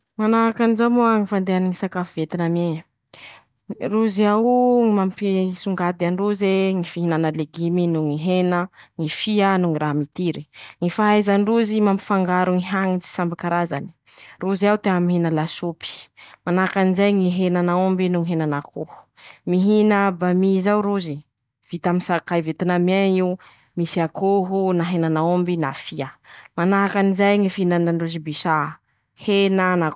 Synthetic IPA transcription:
manaɦakanizamoaŋifand̪eaniŋisakafuvet̪iname | ruziawumampisuŋɡad̪aɳɖ͡ʐuzeŋifiɦinanaleɡiminuŋiɦenəŋifianuŋiɾaɦamit̪iɾiŋifaɦajzanɖ͡ʐuzimampi̥faŋɡaɾuŋiɦaŋit͡si̥sambikaɾazani̥ | ruziawt̪eamiɦinəlasupi̥manaakanizajŋiɦenanaombinuŋiɦenanakuhu̥ | miɦinəbamizawɾuzi | v̥it̪aminsakajvet̪inamiaŋiu | misiakuɦunaɦenanaombinafiəmanaɦakanizajŋifinanaɳɖ͡ʐuzibiʃa | henəna

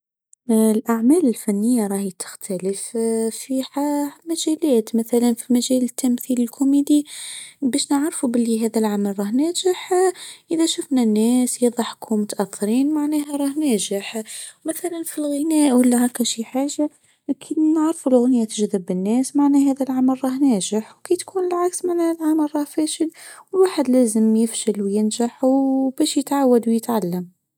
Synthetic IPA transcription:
lʔaʕmæːlɪlfænːɪjːaɾˤɑːhit̪ɪ̥xt̪ʰæləffiːhamæʒæːlæːt̪maθælanfimaʒæːlɪt̪ːamθiːlɪlkʰʊmiːd̪ibæːʃnəʕɾfubɪlːiɦæːðælʕamælɾˤɑːhnæːʒɪħʔəðæʃʊfnanːæːsjɑðˤɑħkʰumʊt̪ʔæθːɪɾiːnmaʕnæːhaɾˤɑːhnæːʒɪħmaθælanfilɣɪnæːʔwəlːæhækːæʃiħaːʒa | kʰid̪nəʕɾfulɣʊnjæt̪əʒðɪbːɪnːæːsmaʕnæɦæːðælʕamælɾˤɑhnæːʒɪħwkijt̪kʰuːnlʕaksmaʕnælʕamælɾˤɑhfæːʃɪd̪wɪlwaːħəd̪læːzəmjɪfʃɪlwjɪnʒaħwbæːʃjɪt̪ʕawːad̪wjɪt̪ʕalːam

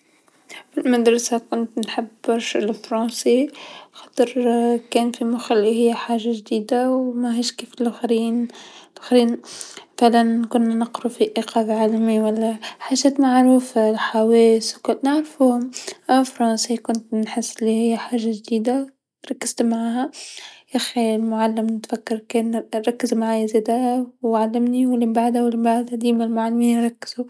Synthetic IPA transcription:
filmad̪ɾˤɑsakʊnt̪nħabbɑɾʃlfɾˤɑːsixɑ̥ːt̪ˤɨɾkɛːnfimʊxalːiɦɪjːħaːʒaʒd̪iːd̪awmæɦiːʃkiːflʔxɾiːnlʔxɾiːnaθaʕlankʊnːanɑqɾufiʔiqʰɑːbʕaːlamiwælːæħaːʒɛːt̪maʕɾuːfalħaweːswkʊlnaʕɾfuhmʔafɾˤɑːnsikʊnt̪nħɪsːɪlːihɪjːħaːʒaʒd̪iːd̪a | ɾˤɑkːɪz̥t̪maʕaɦajaxilmʊʕalːɪmnɪt̪fakːɪɾˤkeːnɾˤɑkːɪzmaʕaːjazeːd̪awʕalːɪmniwɪlːimbaʕd̪awɪlːimbaʕd̪ʔad̪iːmalmʊʕalːamiːnɾˤɑkːɪ̥z̥u

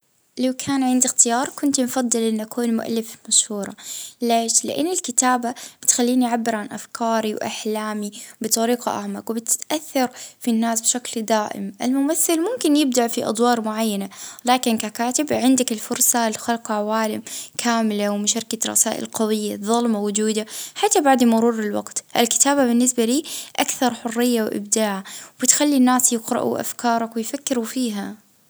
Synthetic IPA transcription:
lawkʰaːnʕɪnd̪ɪxt̪ɪjɑːɾˤkʊnt̪mfɑd̪ˤːɨlʔɪnːʔakʰuːnmʊ̰ʔa̰lːɪfmaʃhuːɾˤɑleːʃlɪ̰ʔa̰nːɪlkɪt̪aːbab̥ɪt̪xalːiːniʕabːɪɾʕanʔafkʰɑːɾiwʔa̰ħlaːmibɨt̪ˤɑɾiːqɑʔa̰ʕmaqwbɪt̪ɪ̥ʔaθːɑɾˤfinːaːsbʃakld̪aːʔɪ̰mʔɪlmʊmaθːɪlmʊmkɪnjɪb̚d̪aʕfiʔɑ̰d̪ˤwɑːɾˤmʊʕajːanalaːkɪnkakaːt̪ɪbʕɪnd̪akɪlfʊɾsɑlxalqʕawaːlɪmkʰaːmɪlawmʊʃaɾkaɾˤɑ̰saːʔɪ̰lqɑwɪjːaðˤɑlmawʊd͡ʒuːd̪aħat̪ːabaʕd̪mʊɾuːɾɪlwaɡt̪ʔɪlkɪ̥t̪aːbabɪnːɪsbaliːʔakθɑɾˤħʊrːɪjːawʔɪ̰bd̪aːʕawbɪt̪xalːinːaːsjɪqɾɑ̰ʔṵʔa̰fkɑːɾˤɑkwɪjfakːɪɾufiːɦa

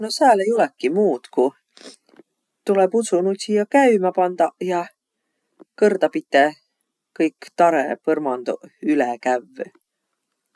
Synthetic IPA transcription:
nosæːlejo̞lekːimuːd̪̥ku | t̪ulebut̪sunut̪ʲijɑkæymɑpɑnd̪̥ɑjɑ | kɤrd̪ɑpit̪ːˑe | kɤjkt̪ɑɾḛpɤrmɑnd̪̥oylɛkævː

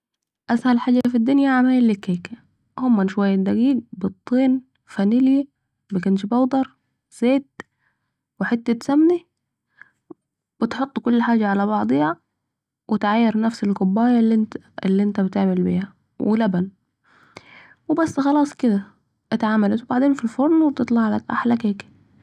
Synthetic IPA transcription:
ʔashalħaːɟafid̪ːʊnjaʕamaːjlːɪkːeːk | hʊmːanʃwajːad̪aɡiːɡ̚bɨt̪ˤːiːn | fanilja | bakanʃbɑwd̪ˤɑɾˤ | z̥eːt̪ | wɪħet̪ːɪt̪samːni | b̥ɪt̪ħot̪ˤːkʊlːħaːd͡ʒaʕalæβɑʕd̪ˤiæ | wɪt̪ʕajːɑɾˤnæfsɪlkʊbːæːjæ̰ | lːiʔɪnt̪æbɪt̪eʕmɪlbḭːhæ | wɪ̰læbæn | wɪbæsːxɑlɑːsˤkɪd̪æ | ʔæt̪ʕaːmælæt̪wbaʕd̪eːnfilfoɾˤnwb̚t̪ɨt̪ˤlɑʕlakʔa̰ħlækeːk

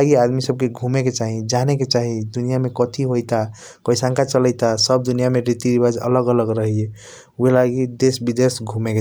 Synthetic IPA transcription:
aɡiad̪misəb̚keɡʱumeket͡ʃaɦid͡ʒaneket͡ʃaɦid̪unijamekɔt̪ʰiɦojt̪a | kəjsãŋkat͡ʃələjt̪asəb̚d̪unijameɾit̪iɾibad͡ʒə̰ləɡələɡɾəɦie | uɦelaɡid̪esbid̪esɡʱumeke

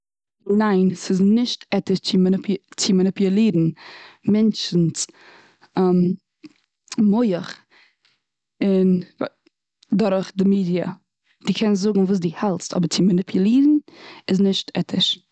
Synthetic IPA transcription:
naɪnsɪznɪʃtɛtɪʃt͡simnɪpt͡simənɪpjəlˠiːdn̩mɛnt͡ʃn̩t͡s | am | moɪəχ | ɪn | dɔɾχdɪmiːdiə̰ | d̥iːkʰɛnzʊɡŋ̩vuːs̬dihɛlˠstɔ̰bəɾt͡sɪmənɪpʰjəlˠiːdn̩ɪznɪʃtʰɛtʰɪʃ

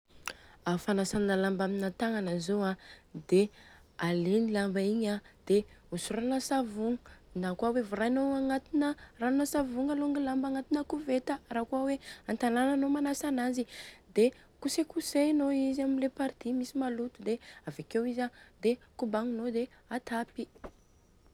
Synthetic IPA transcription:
afanasannalambaminat̪aŋanəzoad̪e | alenilambaiɲad̪̥eusuɾanəsavuŋənakuawevuɾanoaŋat̪inəranosavuŋaluŋɡilambaŋat̪inəkuvet̪ərakuaweant̪alananomanasanazid̪e | kusekusenoizaminlepaɾt̪imisimalut̪ud̪eavakewizad̪ekubaŋinod̪eat̪ʰapi

